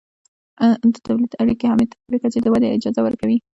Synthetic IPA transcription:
d̪ət̪awlid̪aɽikehɑmɪd̪ɾikat͡ʃed̪əwad̪eɪd͡ʒɑzawəɾkawi

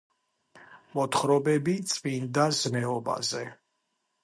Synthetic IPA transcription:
mɔt̪ʰχɾɔbɛbit̪sʼvind̪aznɛɔba̰zɛ

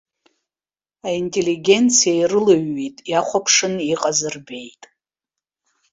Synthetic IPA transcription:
aintʼe̞liɡʲe̞nt͡sʰijairɨlaɥːijtʼjaχʷapʰʂɨniqʼazɨrbe̞jtʼ

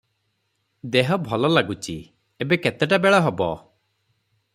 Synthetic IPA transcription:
d̪eɦɔbʱɔlɔlaɡut͡ʃi | ebeket̪eʈabeɭɔɦebɔ

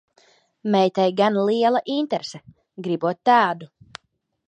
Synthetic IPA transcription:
mɛjt̪ɛjɡanlˠiɛlˠaʔint̪ɛɾsɛ | ɡɾibuɔt̪̚ːaːd̪u

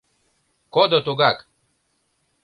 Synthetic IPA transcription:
kɔd̪ət̪oɡak

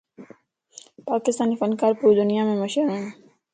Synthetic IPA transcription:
paːkɪst̪aːnifɐnkaːɾpuːɾd̪ʊnijamẽmɐʃəɾõɦẽː

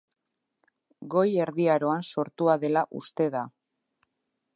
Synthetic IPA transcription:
ɡo̞je̞ɾðiaɾo̞anso̞ɾt̪uaðe̞laʔṵst̪e̞ða

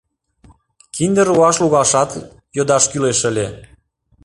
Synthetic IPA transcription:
kind̪əɾuɑʃluɣɑʃɑt̪ | jod̪ɑʃkyleʃəlʲe

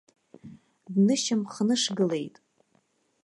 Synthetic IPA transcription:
dnɨʃamχnɨʂɡɨle̞jtʼ

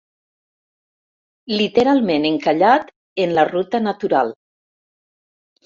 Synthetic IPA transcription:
lit̪eɾalˠmeneŋkaʎat̪ | enlarut̪ənat̪uɾalˠ

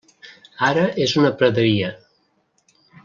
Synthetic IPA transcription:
aɾəʔezunəpɾəðəɾiə

